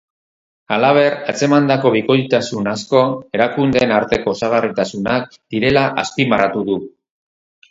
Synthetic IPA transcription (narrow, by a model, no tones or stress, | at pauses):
alaβ̞e̞ɾat͡se̞mand̪ako̞βiko̞ʎt̪asunasko̞e̞ɾakund̪e̞ːnaɾt̪e̞ko̞saɣ̞arit̪asunak̚d̪̥iɾe̞laʔa̰spimarat̪uðu